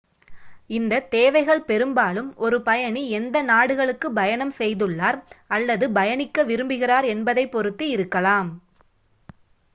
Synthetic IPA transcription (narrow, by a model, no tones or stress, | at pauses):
ɪnd̪ɐt̪eːʋɐɪɣɐɭpɛɾɯmbaːlɯmʔɔɾɯpɐjɐniɛnd̪ɐnaːɽɯɣɐɭɯkːɯbɐjɐnɐmsɛjðɯɭːaːɾɐlːɐðɯbɐjɐnɪkːɐʋɪɾɯmbɯɣɪraːɾɛnbɐðɐɪpːɔɾɯt̪ːiɪɾɯkːɐlaːm